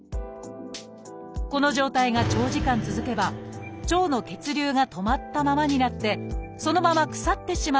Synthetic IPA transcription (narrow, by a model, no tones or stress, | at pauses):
ko̞no̞ʑo̞ːt̪aiŋat͡ɕo̞ːʑikãnt͡sɨzɨke̞bat͡ɕo̞ːno̞ke̞t͡sɨɾʲɨːŋat̪o̞mat̪ːamamaɲ̟inat̪ːe̞so̞no̞mamakɯ̟̥sat̪ːe̞ɕima